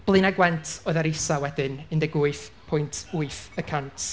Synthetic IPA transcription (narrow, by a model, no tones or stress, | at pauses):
b̥lˠɨnaɡwɛntʰɔɨðaɾɪsawɛdɨnɨndɛɡuɨθpʰʊjntʰuɨθəkʰawntʰ